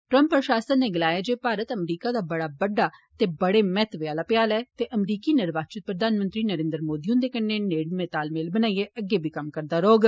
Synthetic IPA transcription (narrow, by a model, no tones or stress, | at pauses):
ʈɾə̃mpːɾəʃaːsənneːɡɪlaːjaːd͡ʒeːpaːɾət̪əmɾiːkaːd̪aːbəɽaːbəɖːaːt̪eːbəɽeːmɛːt̪ʋɪjaːlaːpjaːlɛːt̪eːʔəmɾiːkiːnɪɾʋaːt͡ʃɪt̪̚pɾəd̪aːnmənt̪ɾiːnəɾẽːnd̪əɾmoːd̪iːɦʊ̃nd̪eːkəɾneːneːɽmeːt̪aːlmeːlbənaːieːʔəɡːeːbʱiːkəmkəɾd̪aːɾoːɡ